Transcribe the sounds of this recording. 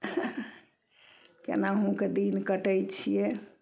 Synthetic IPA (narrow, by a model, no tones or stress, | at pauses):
kḛnaɦũked̪inkəʈəjt͡ʃʰije